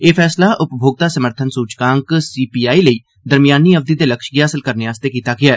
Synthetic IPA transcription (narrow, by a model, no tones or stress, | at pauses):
eːpʰɛːslaːʔʊpbʱoːɡ̚d̪aːsəməɾt̪ʰənsuːt͡ʃkãːŋksiːpiːaːiːləiː | d̪əɾmɪjaːniːəʋd̪iːd̪eːləkʃɡiːaːsəlkəɾneːaːst̪eːkiːt̪aːɡɪaː